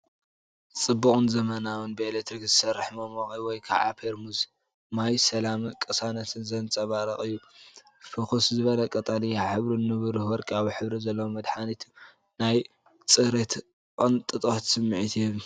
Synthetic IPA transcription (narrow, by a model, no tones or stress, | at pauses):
t͡sʼɨbːukʼunzɐmɐnawɨnbɨelet̪ɾikzɨsɐrːɨħmɐmoχʼiwɔjkʰa̰ʕa̰pʰeɾmuz | majsɐlamɨkʼɐsanɐt̪ɨnzɐnt͡sʼɐβaɾɐχʼɨjːu | fɨxuszɨβɐlɐkʼɐt̪ʼalijaħɨβɾunːɨβɨɾuhwɔɾkʼaβħɨβɾizɐlːɐwomɐd̪ħanit̪ʰu | naj | t͡sʼɨɾet̪ | kʼont̪ʼɨt̪ʼot̪sɨmːɨʕit̪ʰɛl